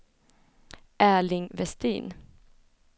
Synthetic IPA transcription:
ʔæːɭɪŋvɛst̪ḭːn

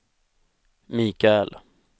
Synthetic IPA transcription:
miːkaɛl

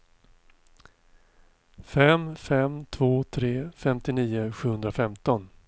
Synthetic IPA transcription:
fɛmfɛmt̪ʰv̥oːt̪ʰɾeːfɛmt̪ɪniːʊɧʉ̟ːhɵnd̪ɾafɛmt̪ɔn

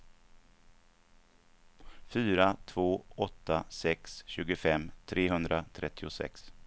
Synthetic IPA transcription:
fyːɾat̪ʰvoːɔt̪ːasɛksɕʉ̟ːɡəfɛmːt̪ʰɾeːɦɵnd̪ɾat̪ʰɾɛt̪ʰːɪʊsɛ̰ks

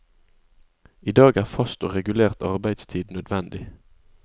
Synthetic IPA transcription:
iːd̪ɑːɡæːʁfɑst̪oːʁɛɡʉleːʁt̪ʰɑʁbæɪd̪st̪ʰiːd̪nœd̪ʋɛnd̪ɪ

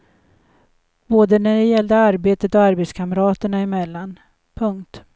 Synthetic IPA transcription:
b̥oːd̪ənæɖɛjɛld̪əaɾbeːt̪ət̪ɔaɾbeːt̪skʰamɾɑːt̪əɳaɪmɛlːan | pʰɵŋkt̪

